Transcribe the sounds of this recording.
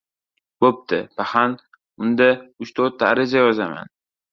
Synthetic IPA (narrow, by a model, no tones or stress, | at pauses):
bop̚t̪ʰɪpahan | ʊnd̪aʊt͡ʃt̪ʰoɾt̪ʰːaːɾɪd͡ʒajɒzama̰n